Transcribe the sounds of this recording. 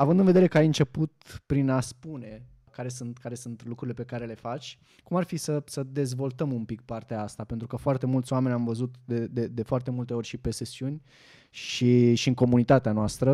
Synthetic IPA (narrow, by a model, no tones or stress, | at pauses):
avɨnd̪ɨnveeɾe̞kəajɨnt͡ʃe̞put̪̚pɾinaspune̞ | kaɾe̞sunt̪kaɾe̞sunt̪lukɾuɾilepe̞kaɾe̞le̞fat͡ʃʲ | kumarfisəsəd̪e̞zvo̞lt̪əmumpikpart̪eaast̪ape̞nt̪ɾukəfoart̪e̞mult̪sʲoame̞nʲamvəzut̪d̪ed̪ed̪e̞foart̪e̞mult̪e̞o̞rʲʃipe̞se̞siunʲ | ʃiʃiɨŋko̞munit̪at̪eanoast̪ɾə